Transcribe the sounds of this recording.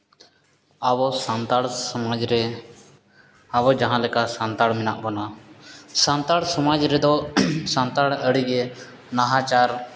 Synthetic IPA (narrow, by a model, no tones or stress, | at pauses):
abɔsant̪aɽsɔmad͡ʒɾɛ | abɔd͡ʒaɦãlɛkasant̪aɽmɛnaʔbɔna | sant̪aɽsɔmad͡ʒɾɛd̪ɔsant̪aɽəɽiɡɛ | naɦãt͡ʃaɾ